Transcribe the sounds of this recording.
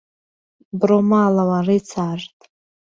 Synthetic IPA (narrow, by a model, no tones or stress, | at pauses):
bromalawaret͡sʰartʼ